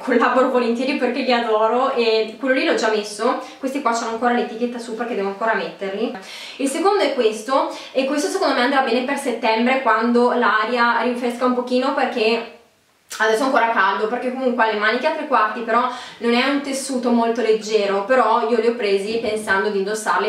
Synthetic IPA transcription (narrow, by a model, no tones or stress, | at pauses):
kʰolːavoɾovolent̪jɛːɾjoperkeʎiad̪ɔːɾoʔekːwelːolilɔd͡ʒamːesːokwest̪ikwasonoaŋkoːɾalet̪ik̟et̪ːasuperked̪ɛvonoaŋkoːɾamet̪ːerli | ilsekond̪oɛkːwest̪o | ekːwest̪osekõnd̪omeand̪ɾabɛːneperset̪ːɛmbɾekwand̪olaɾjaɾiɱfeskaumpokiːnoperk̟e | ad̪ɛsːoaŋkoːɾakald̪operk̟ekːomuŋkwealːemaːnikeat̪ːɾekwart̪ipeɾɔnonɛunt̪esːuːt̪omolt̪oled͡ʒːɛːɾopeɾɔiːoliɔpːɾeːzipensand̪od̪ind̪osːarle